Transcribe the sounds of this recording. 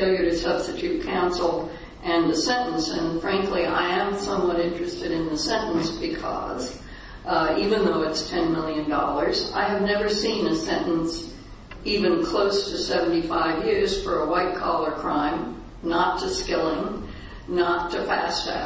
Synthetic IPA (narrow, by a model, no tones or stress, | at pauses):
ɪlˠjɨɾɨ̥sʌb̥stɨtʰʉt̚kʰãʊ̃nsl̩ˠ | ʔɨ̃nɨsɛ̃nn̩sɨ̃nfɹæ̃ŋkliʔa̰ɪɨ̃msʌ̃mwʌɾɪ̃nt͡ʃɹ̥ɨstɨɾɨ̃nðɨsɛ̃nʔn̩sb̥ɨkʰʌ̰z | ivɨ̃nðoʊɨtstʰɛ̃nmɪlˠjɨ̃ndɔ̰lˠə˞za̰ɪɨvnɛvə˞sĩnɨsɛ̃nʔn̩s | ivɨ̃nkʰl̥oʊstʰɨsɛṽn̩tifaɪvjɪɹz̥fə˞əwaɪt̚kʰɔlˠə˞kʰɹ̥ãɪ̃m | nətʰɨskɪlˠɪ̃ŋ | nətʰɨfæ̰stɨ̰